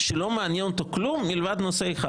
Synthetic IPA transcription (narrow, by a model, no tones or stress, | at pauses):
ʃelomeanjenot̪oklumːilvad̪noseeχa̰